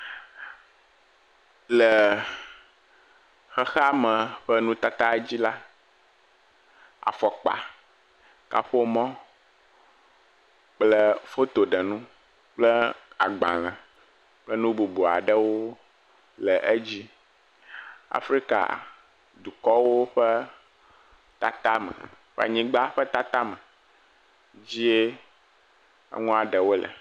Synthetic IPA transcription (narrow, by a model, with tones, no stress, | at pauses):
lə˨ | xɛ˦xa˦mə̃˨ɸɛ˦nũ˦t̪a˦t̪a˦d͡ʑi˦la˦ | a̰˨fɔ˨k͡pa̰˨ | ka̰˦ɸo˦mɔ̃˦ | k͡plə˦fo˦t̪o˨ɖə˨nũ˦ | k͡plə˦a˨ɡ͡bã̰˨lɛ̃˨ | k͡plə˦nũ˦bu˨bu˨a̰˨ɖə˦wo˦ | lɛ˨ʔe˦d͡ʑi˦ | a̰˨fɾi˦ka̰˨ | d̪u˨kɔ˦wo˦ɸɛ˦ | t̪a˦t̪a˦mɛ̰˨ | ɸɛ̰˦a̰˨ɲĩ˦ɡ͡ba˦ɸə˦t̪a˦t̪a˦mə̃˨ | d͡ʑi˦e˦ | ḛ˦ŋũ˦a˨ɖə˨wo˦lə̰˨